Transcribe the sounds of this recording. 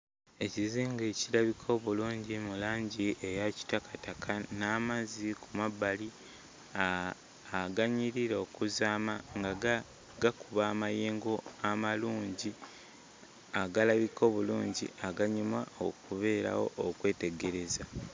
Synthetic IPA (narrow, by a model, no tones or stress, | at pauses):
e̞ciziːŋɡe̞ːcilaβikʰo̞ːβuluːɲɟimulaːɲɟiʔejaci̥takatakʰanaːmazikʰumabali | ɡaɲiɾiɾo̞kuzaːmaŋɡa | ɡakuβaːmajeːŋɡo̞amaluːɲɟi | aɡalaβikʰo̞ːβuluːɲɟḭʔaɡaɲimwa̰o̞kuβe̞ːɾa̰wo̞̰ʔokwe̞ːte̞ɡe̞ɾe̞za